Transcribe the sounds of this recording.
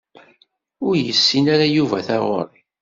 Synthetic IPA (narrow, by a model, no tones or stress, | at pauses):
ʊɾjəsːinaɾajuvæθæʁo̰ɾˤ